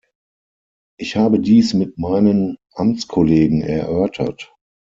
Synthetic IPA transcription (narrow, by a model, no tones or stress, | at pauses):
ʔɪçhaːbədiːsmɪt̚maɪnənʔamt͡skʰɔleːɡŋ̩ɛ̰ɐʔœɐtʰɐ̰t